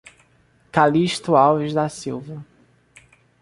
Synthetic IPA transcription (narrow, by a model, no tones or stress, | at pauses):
kaliʃt̪uawvizd̪asiwvɐ